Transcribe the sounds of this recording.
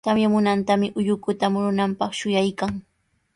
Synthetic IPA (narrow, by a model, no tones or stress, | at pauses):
t̪amjamʊnant̪amɪʔʊʎʊkʊt̪amʊɾʊnampɑχʃʊjajkaŋ